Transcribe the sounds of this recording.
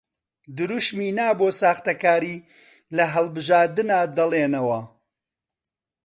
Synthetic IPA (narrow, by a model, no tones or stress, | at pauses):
d̪ɨɾuʃmiːnaːboːsaːxt̪ɐkaːɾiː | lɐɦɐlˠbɨʒaːɾd̪ɨnaːd̪ɐlˠeːnɐwɐ